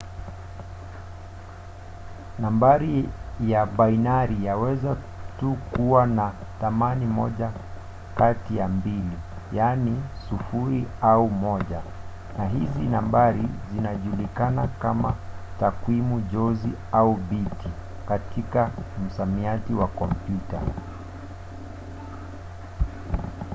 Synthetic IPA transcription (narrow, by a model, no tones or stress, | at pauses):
nambaɾijaɓainaɾijawɛza | tukuwanaθamanimɔʄa | katijambili | janisufuɾiaumɔʄa | naɦizinambaɾizinaʄulikanakamatakwimuʄɔziaubiti | katʰikam̩samiatiwakɔm̩pjuta̰